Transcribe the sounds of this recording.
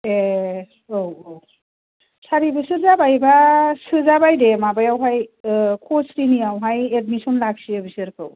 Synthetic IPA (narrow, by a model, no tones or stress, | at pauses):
e | owow | saɾibɯsɯɾzabajbasɯzabajdemabajawɦajkʰosɾinijawɦajed̚misɔnlak̚siebisɯɾkʰɯ̰w